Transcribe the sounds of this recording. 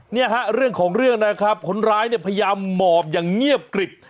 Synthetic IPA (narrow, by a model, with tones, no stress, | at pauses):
ni˥˩əɦa˦˥ɾɯ˥˩əŋkʰɔː˩˦ŋɾɯ˥˩əŋna˦˥kʰɾa˦˥p̚kʰo˦˥nɾaː˦˥jni˥˩pʰa˧ja˧jaː˧mːɔː˨˩p̚jaː˨˩ŋŋi˥˩əp̚kɾi˨˩p̚